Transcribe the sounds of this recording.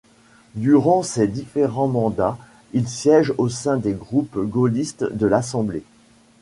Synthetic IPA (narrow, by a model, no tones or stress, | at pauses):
d̪yʁɑ̃sed̪ifeʁɑ̃mɑ̃d̪a | ilsjɛʒosɛ̃d̪eɡʁupɡolist̪d̪əlasɑ̃ble